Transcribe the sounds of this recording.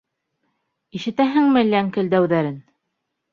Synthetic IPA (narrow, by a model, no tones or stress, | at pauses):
iʃɘ̆t̪æɦɘŋmɘ̆lːæŋkɘ̆ld̪æwðæɾɘn